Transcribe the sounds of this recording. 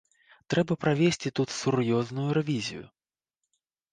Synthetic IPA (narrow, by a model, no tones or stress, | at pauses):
t̪ɾɛbɐpɾavʲesʲt͡sʲit̪ut̪surjɔznujuɾɛvʲizʲḭjṵ